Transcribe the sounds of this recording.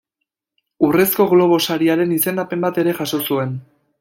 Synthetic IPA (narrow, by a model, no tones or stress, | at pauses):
ure̞sko̞ɣlo̞β̞o̞saɾiaɾe̞nise̞nd̪ape̞mbat̪e̞ɾe̞ʝaso̞sue̞n